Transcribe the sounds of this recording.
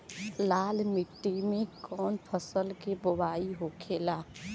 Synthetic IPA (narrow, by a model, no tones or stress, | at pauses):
laːlmɪʈːimekɔːnpʰəsəlkebəbaːiɦokʰela